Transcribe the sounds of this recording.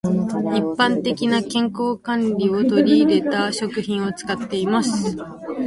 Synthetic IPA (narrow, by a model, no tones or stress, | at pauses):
ipːãnt̪e̞kʲinakẽ̞ŋko̞ːkãnɾʲio̞t̪o̞ɾʲiːɾe̞t̪aɕo̞kɯ̟çĩɰ̃o̞t͡sɨ̥kat̪ːe̞imasɨ̥